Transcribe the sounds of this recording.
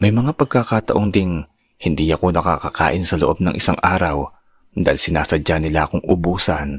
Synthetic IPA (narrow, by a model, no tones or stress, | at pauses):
mɐjmɐŋapɐɡ̚kakat̪ɐʔo̞ŋd̪in | hɪnd̪iːɐko̞nɐkakaka̰ːʔɪnsɐloʔo̞b̚nɐ̰ŋʔɪsaŋʔaːɾɐw | d̪alsɪnaːsɐd͡ʒanɪlaʔɐko̞ŋʔʊbuːsɐn